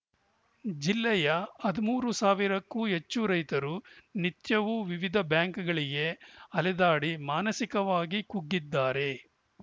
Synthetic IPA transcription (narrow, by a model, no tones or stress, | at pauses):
d͡ʒilːɛjɐɐd̪imuːɾusaːʋiɾɐkːuet͡ʃːuɾɐjt̪ɐɾunit̪jɐʋuʋiʋid̪ʱɐbjaːŋkɡɐɭiɡe̞ɐlɛd̪aːɽimaːnɐsikɐʋaːɡikuɡːid̪ːaːɾe̞